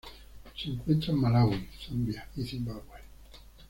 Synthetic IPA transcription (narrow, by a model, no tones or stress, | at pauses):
seŋkwent̪ɾamalawulθambjaizimbabwe